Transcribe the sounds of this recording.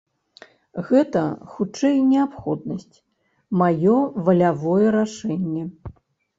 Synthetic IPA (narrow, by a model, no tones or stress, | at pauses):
ɣɛt̪ɐxut͡ʂɛjnʲɛapxɔd̪̚nɐsʲt͡sʲ | majɔvɐlʲavɔjɛɾaʂɛnʲːɛ